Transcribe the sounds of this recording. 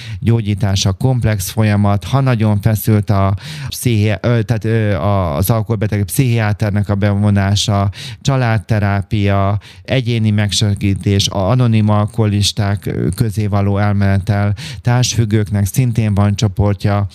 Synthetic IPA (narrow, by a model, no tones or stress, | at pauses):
ɟoːɟiːt̪aːʃɒko̞mplɛksfo̞jɒmɒt̪hɒnɒɟo̞ɱfɛsylt̪ɒpsihit̪aːt̪ːɒzɒlkolbɛt̪ɛɡpsiɦiaːt̪ɛrnɛkɒbɛvo̞naːʃɒt͡ʃɒlaːt̪ːɛɾaːpijɒ | ɛɟeːnimɛkʃɛɡiːt̪eːʃɒno̞nimɒlkoliʃt̪aːkːø̞zeːvɒloːɛlmɛlɛt̪ɛlt̪aːʃfyɡːøːknɛksint̪eːɱvɒnt͡ʃo̞po̞rcɒ